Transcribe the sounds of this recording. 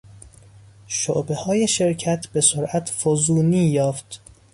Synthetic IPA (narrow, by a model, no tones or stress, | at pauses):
ʃo̰ʔbe̞hɒːje̞ʃe̞ɾcʰæt̪ʰbe̞soɾʔæt̪ʰfozuːniːjɒːft̪